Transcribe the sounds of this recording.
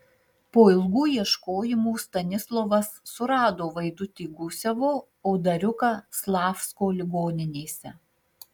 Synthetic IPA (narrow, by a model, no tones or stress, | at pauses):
poːɪlˠɡuːiɛʃkoːjɪmuːst̪ɐnʲɪslˠɔʋɐsːʊɾɑːd̪oːʋɐɪd̪ʊt̪ʲiːɡʊsʲɛʋoː | oːd̪ɐɾʲʊkɐslˠɑːfskoːlʲɪɡoːnʲɪnʲeːsʲɛ